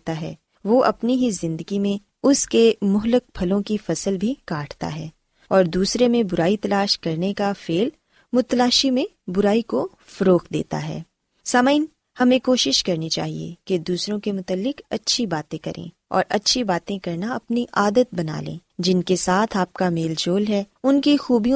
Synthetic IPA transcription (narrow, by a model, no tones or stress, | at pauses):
t̪aɦɛː | ʋoʔɐ̰pniɦizɪ̃nd̪əɡimẽ | ʊskemʊɦlək̚pʰɐlõkifɐsəlbʱikaːʈʰt̪a̰ɦɛː | ɔːɾd̪uːsɾemẽbʊɾaːit̪ɐlaːʃkɐɾnekafeːl | mʊt̪laːʃimẽbʊɾaːiko | fɐɾoːqd̪ḛːt̪a̰ɦɛ̰ː | saːmaɪn | hɐmẽkoːʃɪʃkɐɾnit͡ʃa̰ːɦḭḛked̪uːsɾõkemʊt̪əlːɪkɐtːʃʰibaːt̪ẽkɐɾḛ̃ | ɔ̰ːɾʔɐ̰tːʃʰibaːt̪ẽkɐɾnaɐpniʔaːd̪ət̪̚bɐna̰ːlḛ̃ːd͡ʒɪnkesaːt̪ʰaːp̚kameːld͡ʒoːlɦɛ | ʊnkixuːbijõ